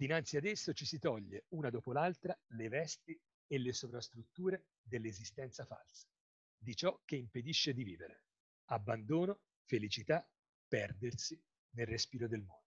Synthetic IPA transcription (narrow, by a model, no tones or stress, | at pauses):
d̪̥inant̪siad̪esːot͡ʃisit̪ɔʎːeuːnad̪oːpolalt̪ɾalevɛst̪i | elːesovɾast̪ɾut̪ːuːɾe | d̪elːezist̪ɛnt̪safa̰lse̥ | d̪it͡ʃɔk̟ːeimped̪iʃːed̪iviːveɾḛ | abːand̪oːno | felit͡ʃit̪a | pːɛrd̪ersi | nelrespiːɾod̪elmɔ̰nd̪o